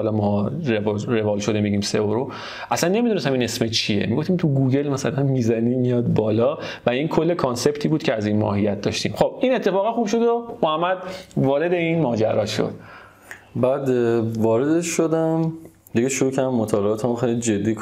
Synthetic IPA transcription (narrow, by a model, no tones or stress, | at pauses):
hɒlɒmɒɾevɾe̞vɒːlʃo̞d̪emiɟiːmseoɾo | ʔæslænːe̞mid̪unest̪æmiːnesmet͡ʃʰie̞̰miɡoft̪imt̪ʰuɡuːɟe̞lmæsælænmiːzæniːmijɒːd̪bɒːlɒː | væinkʰolːe̞kʰonse̞bt̪ʰiːbuːd̪̥cʰeæzinmɒ̰ːɦijːæt̪̚d̪ɒʃt̪imχob̥̚inet̪ʰːe̞fɒːɣæχuːbʃo̞d̪omohæmːæd̪̚vɒːɾe̞d̪einmɒːd͡ʒæɾɒːʃo̰d̪̥̚ | bæːd̪vɒːɾed̪eʃʃod̪æm | d̪iɡeʃoɾuːcʰæɾd̪æmot̪ʰɒːleːt̪ʰæmoxejlid͡ʒed̪ːiːk